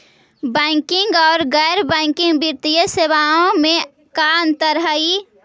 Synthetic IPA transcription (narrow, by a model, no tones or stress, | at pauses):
bɛɪ̃ŋkɪ̃ŋɡɔːɾɡɛːɾbɛ̃ːŋkɪ̃ŋɡbiɾt̪ijəseːʋaõmẽ | kaə̃nt̪əɾɦəi